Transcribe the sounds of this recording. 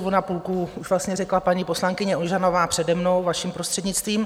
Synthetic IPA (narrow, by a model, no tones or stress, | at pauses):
vonapuːlkuuʒvlast̪ɲɛrɛklapaɲipo̞slaŋkɪɲɛʔonʒanovaːpr̥ɛdɛmno̞wvaʃimpɾo̞st̪r̥ɛdɲɪt͡st̪viːm